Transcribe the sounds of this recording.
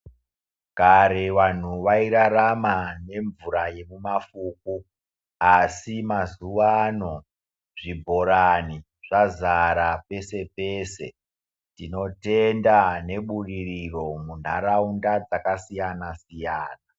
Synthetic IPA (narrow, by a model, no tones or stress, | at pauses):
kaɾe̞ʋan̤uʋaiɾaɾamane̞ɱvuɾaje̞mumafuk̚u | asimazuwano̞ | ʐ̥ibʱo̞ɾani | ʐ̥azaɾape̞se̞peːse̞̰ | tino̞te̞ndane̞ɓuririro̞mun̤aɾaundad͡zakasijanasijaːna